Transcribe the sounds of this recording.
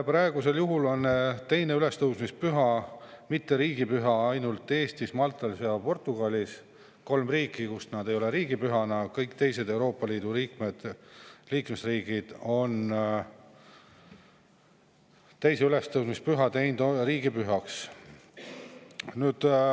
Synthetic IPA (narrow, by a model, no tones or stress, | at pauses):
prɑe̞ɡ̥use̞ljuɦulo̞nːt̪e̞jne̞yle̞st̪ɤwsmispyɦɑmit̪ːe̞ɾiːɡ̥ipyɦɑɑjnult̪ˑːe̞ːst̪ismɑlt̪ːˑɑlsjɑpo̞rt̪ːˑuɡ̥ɑlʲis | ko̞lmriːkːˑikusnɑd̪e̞jo̞le̞ɾiːɡ̥ipyɦɑnɑkɤjkt̪e̞jse̞d̪e̞wɾo̞ːpːˑɑliːd̪̥uɾiːkme̞d̪̥liːkme̞sriːɡ̥id̪̥o̞n | t̪e̞jse̞yle̞st̪ɤwsmispyɦɑt̪e̞jnd̪̥ɾiːɡ̥ipyɦɑks | nyːd̪̥